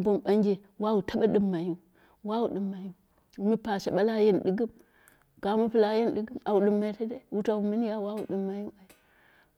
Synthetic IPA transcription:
bo˦mɓa˦n˦d͡ʒe˨wa˦wu˨tʰa˦ɓa˦ɗɨ˦mːa˨ju˦ | wa˦wu˨ɗi˨mːa˨ju˦ | wu˨mi˦pa˨sa˨ɓa˦la˦ji˦n˨ɗi˦ɡɨ˦m | ɡ̥a˨mu˦pi˦la˨˦ji˦n˨ɗi˦ɡɨ˦ma˨wu˨ɗi˦˨mːa˨˦ta˦de˦wu˦ta˦wu˨mi˦ni˦ja˦˨wa˦wu˨ɗi˨˦mːa˨˦ju˦a˨i˨

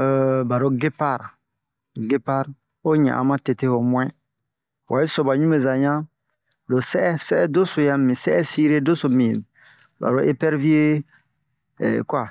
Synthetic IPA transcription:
ba˨ɾo˦ɡɪ˦pa˦˨ɾ | ɡɪ˦pa˦ɾ | o˦ɲɛ̰˨ʔa̰˨ma˦te˨tɪ˦ho˨mwɛ˦˨ | wʔa̰˨˦i˦sʊ˨ba˨ɲũ˦me˨za˨ɲã˦ | lo˨sɛ˦ʔɛ˦sɛ˦ʔɛ˦dʊ˦sʊ˨ja˦mːɪ̃˨sɛ˦ɛ˦si˦ɾe˦dʊ˦sʊ˨mi˨n | ba̰˨ɾo˦ʔe˦pɛ˦ɾvi˦e˦˨ | kwa˦˨

